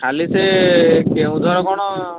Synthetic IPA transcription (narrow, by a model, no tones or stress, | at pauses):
ʈʰalisekeũd̪ʱɔɾɔkɔɽ̃ɔ